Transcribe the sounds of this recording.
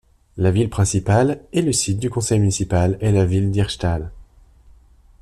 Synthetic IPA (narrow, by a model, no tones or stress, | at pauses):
lavilpχɛ̃sipalɛləsit̪̚d̪ykɔ̃sɛjmynisipalelavild̪iʁʃt̪al